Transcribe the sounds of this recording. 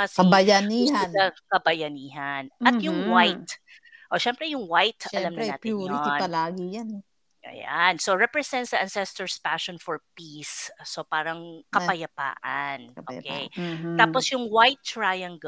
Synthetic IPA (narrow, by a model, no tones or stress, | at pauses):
ɐsɐbɐjɐiːhanɐkɐbɐjɐniːɦɐnʔɐt̪jʊŋwajt̪̚ | ʔoʃɛmpɾɛjʊŋwajt̪ʃɐlɐmnɾaːtpɪjuɾiɐlaːɡɪjanɛ | ʔɐ̰ja̰nsoɹɛpɾɛsɛ̃nt̪sɐʔɐnsɛst̪ɛɹspaʃɔnfɔɹpisːopaːɾɐŋkɐpɐjɐpa̰ːʔɐnʔokejt̪aːposjʊŋwajt̪̚t͡ʃɹajɐŋɡ